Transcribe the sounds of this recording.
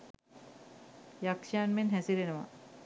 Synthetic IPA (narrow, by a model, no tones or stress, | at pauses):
jakʂaːnmenɦæsiɾenuʋa̰